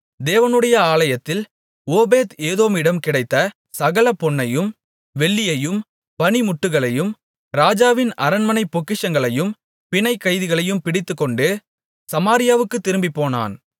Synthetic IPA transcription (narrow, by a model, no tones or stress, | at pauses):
d̪eːʋɐnɯɽɐjɐaːlɐjɐt̪ːɪl | oːbeːt̪eːðoːmɪɽɐmkɪɽɐɪt̪ːɐ | sɐɣɐlɐpɔɳːɐjɯm | ʋɛɭːɪjɐjɯm | pɐnimʊʈːɯɣɐɭɐjɯm | ɾaːd͡ʒaːʋɪnɐɾɐnmɐnɐɪpːɔkːɪʂɐŋɡɐɭɐjɯm | pɪnɐɪkːɐɪðɪɣɐɭɐjɯmpɪɽɪt̪ːɯkːɔɳɖɯ | sɐmaːɾɪjaːʋɯkːɯt̪ːɪɾɯmbipːoːna̰ːn